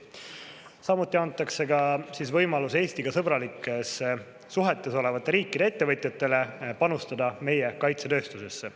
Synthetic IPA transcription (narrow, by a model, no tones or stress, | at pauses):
sɑmut̪ˑːiɑnt̪ːˑɑkse̞ɡɑsisvɤjmɑluse̞ːst̪iɡ̥ɑsɤb̥ɾɑlikːˑe̞sːeː | uɦe̞t̪ˑːe̞so̞le̞vɑt̪ːˑeɾiːkːˑid̪ee̞t̪ːe̞vɤt̪ʲˑjɑt̪ːˑe̞le̞pɑnust̪ɑd̪ɑme̞je̞kɑjt̪se̞t̪ø̞ːst̪use̞sːe